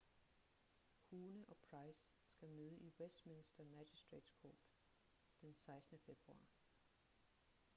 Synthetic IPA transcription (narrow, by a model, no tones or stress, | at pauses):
huːnəʔɒ̽pʰʁɑ̈ɪsː | ɡ̥æmøːð̞ˠəʔiwesd̥mensd̥ɐmæd̥isd̥ʁḛd̥skʰɔ̰ːd̥ | d̥ensɑ̈ɪsd̥ənəfeb̥ʁuɑ̰̈ː